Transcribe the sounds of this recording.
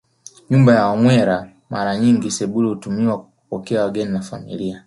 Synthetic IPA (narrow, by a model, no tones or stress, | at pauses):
ɲumbajawamwɛɾa | maɾaɲiŋɡisɛɓulihutumiwakuupɔkɛawaɡɛninafamḭlia